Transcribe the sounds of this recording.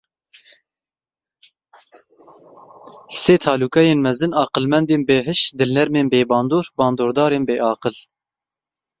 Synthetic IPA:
seːt̪ʰɑːluːkɛjeːnmɛzɨnɑːqəlmɛnd̪eːnbeːɦɨʃd̪ɨlnɛɾmeːnbeːbɑːnd̪oːɾbɑːnd̪oːɾd̪ɑːɾeːnbeːʔɑːqəl

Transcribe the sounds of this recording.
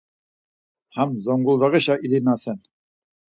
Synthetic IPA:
hæmzoŋɡulˠd̪ɑʁɤɕɑʔilinɑsɘn

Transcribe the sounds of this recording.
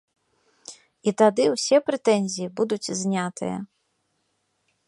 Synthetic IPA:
it̪ad̪ɨwsʲɛpɾɨt̪ɛnʲzʲijibud̪ut͡sʲzʲnʲat̪ɨ̰jɐ̰

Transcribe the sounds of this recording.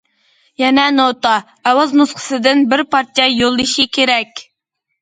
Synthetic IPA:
jɛnɛnot̪ɑ | ɛwɑznusqʰə̥sɨd̪ɪnbɪɾpɑɾt̪ʰijɑjolˠːɨʃikʲʰeɾɛkʲ

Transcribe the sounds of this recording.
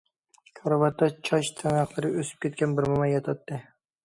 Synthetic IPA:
kʰɑɾɑvɑt̪ːɑt͡ʃʰɑt͡ʃt̪ʰænɑqlˠɨɾɪøsy̥p̚kʲʰet̪̚kʲɛnbɪɾmɑmɑjɑt̪ʰɑt̪ːɨ

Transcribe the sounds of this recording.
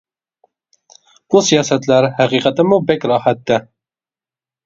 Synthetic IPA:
b̥usijɑːsɛt̪læɾhæqiːqɛt̪ɪmubɛkʲɾɑːhæt̪ːɛ

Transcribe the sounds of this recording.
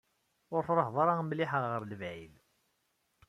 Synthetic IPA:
ʊɾθɾˤəħðˤɑɾˤamliħəʁʁəɾləvʕil

